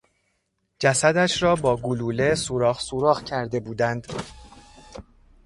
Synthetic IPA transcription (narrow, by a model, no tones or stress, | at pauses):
d͡ʒæsæd̪æʃɾɒːbɒːɡuluːle̞suɾɒːχsuːɾɒːɣcʰæɾd̪e̞buːd̪ænd̪